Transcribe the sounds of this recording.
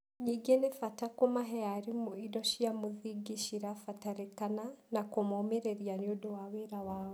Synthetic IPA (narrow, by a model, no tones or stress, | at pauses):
ɲiɡenefatakomaɦɛaɾimuidɔʃijamuðiɡiʃiɾafataɾekananakomomeɾeɾjaɲudowaweɾawaːwo